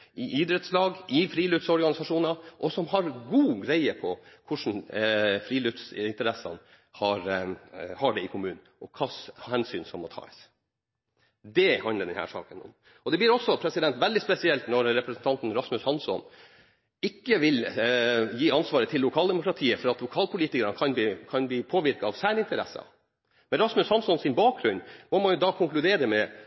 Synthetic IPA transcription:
ɪʔiːd̪ɾɛt̪slɑːɡʔɪfɾiːlʉt̪sɔɾɡɑnɪsɑʂuːnɑʔɔsɔmhɑɾɡuːɡɾæɪəpʰɔkʰʊʂn̩fɾiːlʉt̪sɪnt̪əɾɛsɑ̰n | hɑɾ | hɑɖɛɪkʰʊmʉːnn̩ʔɔkʰɑshɛnsyːnsɔmːɔt̪ʰɑ̰ːɛ̰s | d̪ɛhɑnləɖ̪ɛnhæ̰ːʂɑ̰ːkənʊ̰m | ɔd̪ɛb̪iːɾɔsːɔpʰɾɛsɪd̪ɛnt̪ʋɛld̪ɪspɛsɪɛlt̪nɔɾɾɛpɾɛsnt̪ʰɑnt̪n̩ɾɑsmʉshɑnsɔ̰n | ɪkːəʋɪl | jiːɑnsʋɑːɾət̪ʰɪlːʊkʰɑːld̪ɛmʊkɾɑt̪ʰiːəfɔɾɑt̪lʊkʰɑːlpʰʊliːt̪ɪkəɾənəkʰɑnkʰɑnbliːpʰoːʋɪɾkɑɑʋsæːnɪnt̪ʰəɾɛ̰sːɑ̰ | mɛnɾɑsmʉshɑnsɔnsɪnbɑːk̚ɡɾʉɲmɔmɑnjʊd̪ɑːkʰʊŋklʉd̪eːɾəmɛ

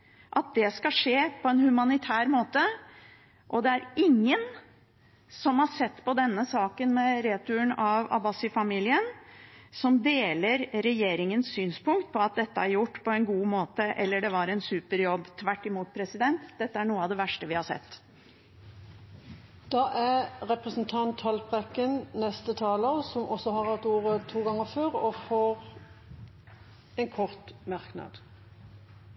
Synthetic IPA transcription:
ʔɑt̪̚d̪ɛskɑʂeːpʰɔɛnhʉmɑnɪt̪ʰæːɾmoːt̪ə | ʔɔd̪ɛæɾɪŋːən | sɔmhɑʂɛt̪ːpɔd̪ɛnːəsɑːkənmɛɾeːt̪ʉəɳɑʋɑ̰bɑsɪfɑmiːlɪənsɔmd̪eːləɾɾɛjeːɾɪŋənssyːnspʊŋkt̪̚pʰɔɑt̪̚d̪ɛt̪ːəæɾjʊʈːpʰɔɛnɡuːmoːt̪əʔɛlːəɖɛʋɑɾɛnsʉːpəɾjɔbːt̪ʰʋæʈːɪmuːt̪̚pʰɾɛsɪd̪ɛnt̪d̪ɛt̪ːəæɳuːəɑʋd̪ɛʋæʂʈəʋɪhɑsɛ̰t̪ː | d̪̥ɑːʔæʁɛpʁəsnt̪ʰɑnt̪hɑlpʁɛkənnɛst̪ət̪ʰɑːləʁsɔmʔɔsɔhɑʁhɑt̪uːʁət̪ʰuːɡɑŋːəføːʁɔfɔʁ | ɛnkʰɔʁt̪mɑʁknɑ̰d̪̥

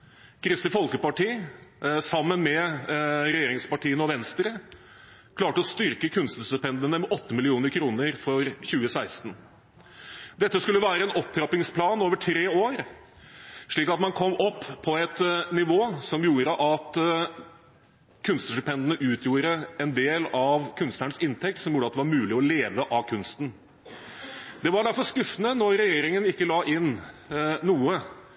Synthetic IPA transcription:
kʰɾɪst̪ɪfɔlkəpɑʈiː | sɑmːənmɛ | ɾɛjeːɾɪŋspɑʈiːənəɔʋɛnst̪ɾə | kʰlɑːʈəɔst̪ʏɾkəkʰʉnst̪st̪ʉpɛnd̪ənəmɛʔɔt̪ːəmɪlɪuːnəɾkʰɾuːnəɾfɔɾçʉːəsæɪst̪ən | d̪ɛt̪ːəskʉlːəʋæːɾəɛnɔp̚t̪ʰɾɑpɪŋspʰlɑːnoːʋəʈʰɾeːoːɾ | ʂɭiːkɑt̪mɑnkʰɔmːɔpːpʰːɔɛt̪nɪʋoːsɔmjuːɾəʔɑt̪ | kʰʉnst̪sʂʉpʰɛnd̪nəʔʉːt̪ʰjuːɾəɛnd̪eːlɑʋkʰʉnst̪næɳəsɪnt̪ʰɛk̚t̪sɔmjuːɖət̪d̪ɛʋɑɾmʉːlɪɔleːʋəʔɑkʰʉnst̪n̩ | d̪̥ɛʋɑɖæɾfɔɾʂkʉfənənɔɾɾɛjeːɾɪŋənɪkːəlɑːʔɪn | nuːə

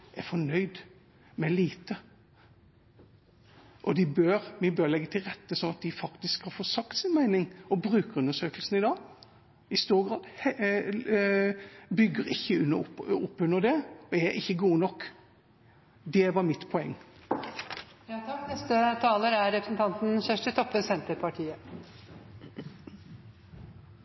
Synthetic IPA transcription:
æfɔɳœʏd̪ | mɛliːt̪ə | ʔɔd̪ɪbøɾmɪbøɾlɛɡːət̪ʰɪlɾɛt̪ːəsɔnɑt̪̚d̪ɪfɑkt̪ɪskhɑɾfoːsɑkt̪sɪnmæɪnɪŋɔbɾʉːkəɾʉnːəʂøːkəlsn̩ɪd̪ɑːɡ | ɪst̪uːɾɡʁɑːd̪ | bʏɡːəɾɪçːəʉnɔpːʉnːəɾd̪ɛɔæɾɪçːəɡuːənɔkː | d̪ɛʋɑɾmɪt̪ːpʰɔɛŋː | jɑːt̪ʰɑkːnɛst̪ət̪ʰɑːləɾæɾɾɛpɾəsn̩t̪ʰɑnt̪n̩çœʂʈət̪ʰɔpːəsɛnt̪əɾpʰɑʈʰiːə

